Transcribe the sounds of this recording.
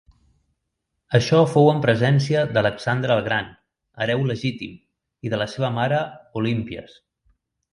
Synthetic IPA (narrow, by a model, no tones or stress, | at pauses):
əʃɔfowəmpɾəzɛnsiəd̪ələksand̪ɾəːlˠɣɾan | əɾɛwləʒit̪im | iðələseβəmaɾəulimpiə̰s